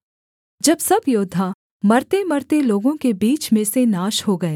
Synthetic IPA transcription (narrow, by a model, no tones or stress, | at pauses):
d͡ʒɐbsɐbjoːd̪ʱa | mɐɾt̪emɐɾt̪eloːɡõkebiːt͡ʃmẽsenaːʃhoɡɐeː